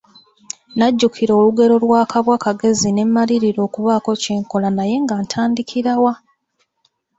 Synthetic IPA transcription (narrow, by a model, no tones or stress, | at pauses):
naɟːukʰiɾo̞ːluɡe̞ɾo̞lwaːkaβwakaɡe̞zine̞mːaliɾiɾo̞ːkuβaːko̞ceːŋko̞lanaje̞ŋɡaːntʰaːndikʰiɾawa